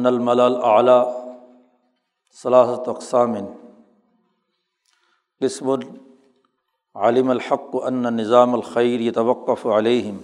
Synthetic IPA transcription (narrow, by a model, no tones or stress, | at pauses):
nːɐlmɐlaːlʔaʕlaː | sɐlaːɦɐt̪ɐqsaːmɪn | qɪsmʊn | ʕalɪmɐlħɑqːʔɐnːanɪzaːmɐlxɐjɾjɐt̪ɐwɐqːɐfʕaleːɦɪm